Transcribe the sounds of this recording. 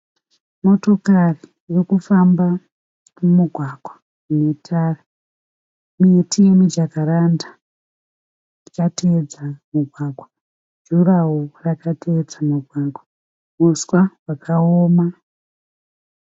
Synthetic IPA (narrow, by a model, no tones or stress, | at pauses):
mo̞to̞kariːrikufamba | umuɡʱwaɡ̥ʱwḁ | une̞tʰara | mietʰiemid͡ʒakaɾanda | ikated͡zamuɡʱwaɡʱwa | d͡ʒuraworakatʰeːd͡zamuɡʱwaɡʱwa | muswawakʰaoːma